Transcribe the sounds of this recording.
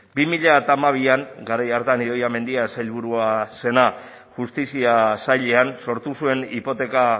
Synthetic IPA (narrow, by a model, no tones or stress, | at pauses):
bimiʎaet̪amaβ̞iaŋɡaɾajaɾt̪aniðo̞jame̞nd̪iasajlβ̞uɾuase̞na | ʝust̪isiasajʎeanso̞ɾt̪usue̞nipo̞t̪e̞ka